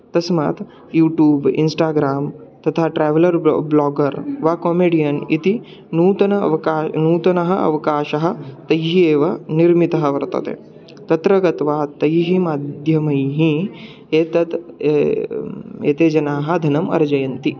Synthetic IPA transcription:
t̪ɐsma̰ːt̪ | juːʈjuːbḭnsʈaːɡɾaːmt̪ɐt̪ʰaːʈɾɛːʋɐlɐɾblɔːɡɐɾʋaːkoːmeːɽijɐnḭt̪i | nuːt̪ɐnɐɐ̰ʋɐkaːnuːt̪ɐnɐɦɐ̆ʔɐ̰ʋɐkaːʃɐɦɐ̆t̪ɐjɦieːʋɐniɾmit̪ɐɦɐʋɐɾt̪ɐ̰t̪ḛ | t̪ɐt̪ɾɐɡɐt̪ʋaːt̪ɐjɦimaːd̪ʱjɐmɐjɦĩ | eːt̪ɐt̪ | ḛːt̪eːd͡ʒɐnaːɦɐ̆d̪ʱɐnɐmɐ̰ɾd͡ʒɐjɐnt̪i

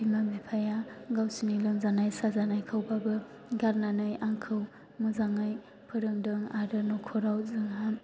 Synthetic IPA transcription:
bimamipʰajaɡawsinilɯŋzanajsazanajkʰawbabɯ | ɡaɾnanɯjʔaŋkʰɯw | mɯzaŋaj | pʰɯɾɯŋdɯŋaɾɯnɔkʰɔɾawzɯŋam

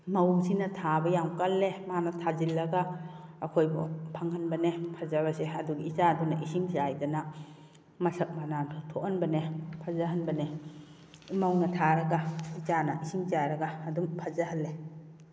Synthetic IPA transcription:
mɐwsinɐtʰabɐjamkalːemanɐtʰazilːɐɡaː | kʰojbɔ̰pʰaŋhɐnbɐnepʰazaβaseɐduɡiit͡ʃadunaʔisiŋzajdɐna | mɐsɐk̚manantʰtʰoʔhanbɐnepʰazaɦɐnbɐne | mawnɐtʰaɾɐɡait͡ʃanɐʔisiŋzaɾɐɡaːdumpʰazaɦɐlːe

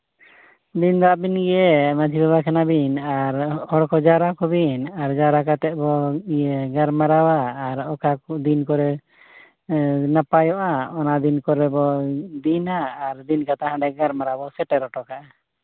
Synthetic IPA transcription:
d̪ind̪ɔabinɡɛjɛmad͡ʒʱibɛβakʰɛnabinaɾhɔɽkɔd͡ʒaɾakɔbinaɾd͡ʒaɾakat̪ɛʔ̚bɔiɡaɾmaɾawaːɾɔkakɔd̪inkɔɾɛ | napajɔʔaɔnad̪inkɔɾɛbɔd̪inaːɾd̪inkat̪aɦãɳɖɛɡaɾmaɾabɔsɛʈɛɾɔʈɔkaʔa

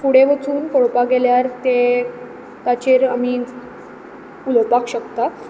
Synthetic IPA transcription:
puɽ̤eʋət͡suːnkoɽpaɡeljaɾt̪e | t̪at͡ɕeɾami | uləpakɕəkt̪a

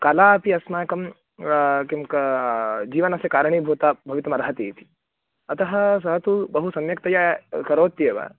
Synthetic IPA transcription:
kalaːpiɐsmaːkɐm | kimkɐd͡ʒiːʋɐnɐsekaːɾɐɳ̃ibʱoːt̪aːbʱɐʋit̪ɾɐmɐɾɐɦɐt̪it̪ʰi̥ | ɐt̪ɐɦɐ̆s̬ɐɦɐt̪ubɐɦusɐmjɐk̚t̪ɐjakɐɾoːt̪ːieʋa̰

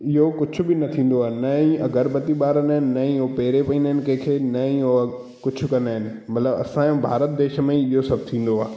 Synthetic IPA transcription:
ɪɦokʊd͡ʑʱʊ̆bɪnɐt̪ʰĩːn̆d̪oaːnɐĩɐɡəɾbɐt̪iɓaːɾənəːɦɪnɪ̆nɐĩɦopeːɾepɐĩnd̪əɦɪnɪ̆kɐ̃ɦkʰeːnɐĩo | kʊd͡ʑʰʱʊ̆kɐnaːɦɪnɪ̆ | mɐt̪ləbɐ̰sãbʱa̰ːɾət̪̚d̪eːʃə̆mẽɪɦosɐb̚t̪ʰĩːn̆d̪oaː

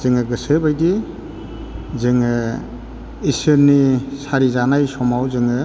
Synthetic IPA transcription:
zɯŋɯɡɯsɯbajdi | zɯŋɯ | isɯɾnisaɾizanajsɔmawzɯŋɯ

